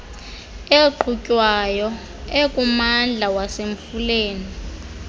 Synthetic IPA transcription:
eǃucʼwajɔ | ekʼumand͡ɮʱawaseɱfuleːni

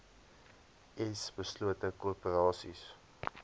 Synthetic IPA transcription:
ʔɛsbəsluətəkupəɾɑːsḭs

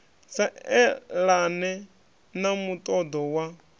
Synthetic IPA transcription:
saɛlanɛ | namut̪ʼɔd̪ɔwa

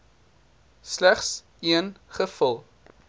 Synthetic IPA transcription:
slæχs | iənχəfəlˠ

